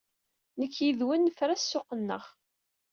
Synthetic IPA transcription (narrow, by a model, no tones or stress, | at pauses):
nəkːjiðwənːfɾæsːʊqənːə̰ʁ